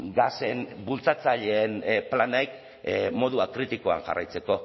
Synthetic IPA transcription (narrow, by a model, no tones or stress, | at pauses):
ɡase̞nbult͡sat͡saʎe̞ːnplanajk | mo̞ðuakɾit̪iko̞a̰ŋʝa̰rajt͡se̞ko̞